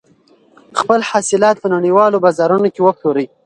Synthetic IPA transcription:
xpəlhɑsɪlɑt̪̚pənaɽiwɑlobɑzɑɾunokewəploɾəj

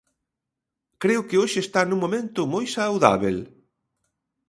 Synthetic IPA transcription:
kɾeʊkɪoʃɪːst̪anũŋmomẽnt̪ʊmojsawða̰βḛl

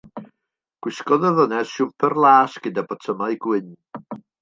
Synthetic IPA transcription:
ɡ̥wɪskɔðəvənɛsʃuvpʰərlˠaːsɡ̥ədabɔtʰəmaɨɡwɪn

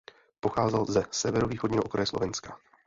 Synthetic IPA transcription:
po̞xaːzɛlzɛsɛvɛɾoviːxodɲiːɦookɾajɛslo̞̰vɛnskḁ

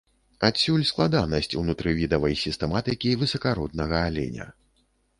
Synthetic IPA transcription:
asʲulʲsklˠad̪anɐsʲt͡sʲṵnut̪ɾɨvʲid̪ɐvɐjsʲist̪ɛmat̪ɨkʲivɨsɐkaɾɔd̪̚nɐɣɐalʲɛ̰nʲɐ̰

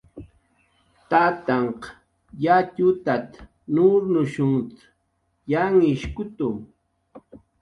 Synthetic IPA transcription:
t̪at̪aɴq | jatʊt̪at̪ | nʊɾnʊʃʊŋt͡s̪ | jaŋɪʃkʊt̪ʊ

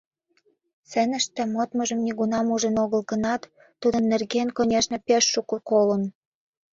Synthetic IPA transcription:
sĕnə̆ʃt̪ĕmot̪mɤʒə̆mnʲiɣunɑmuʒə̆noɣə̆lɣə̆nɑt̪ː | ud̪ə̆nːerɣenkonʲeʃnĕpeʃːukokolən

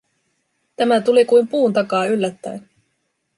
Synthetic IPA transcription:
t̪æmæt̪ulikujmpuːnt̪ɑkɑːylːæt̪ːæ̰jn

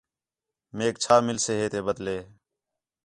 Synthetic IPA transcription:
meːk̚t͡ʃʰaːmɪlseːɦeːt̪eːbəd̪leː

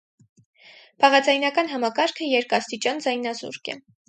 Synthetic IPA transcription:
b̥ɑʁɑd͡zɑjnɑkɑn̪ɦɑmɑkɑɾkʰəjɛɾkɑst̪it͡ʃɑnd͡zɑjnɑzṵɾkɛ̰

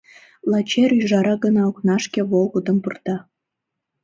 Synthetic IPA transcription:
lɑt͡ɕeɾyʒɑɾɑɣənɑoknɑʃkĕβolˠɣəd̪ə̆mpərt̪ɑ

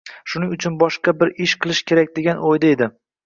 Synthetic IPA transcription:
ʃʊnɪŋʊt͡ʃʰʊnbɒʃqɑbɪɾɪʃqʰɨlˠɪʃkʲʰe̞ɾak̚ʲd̪e̞ɡʲanʔojd̪aed̪ɪ

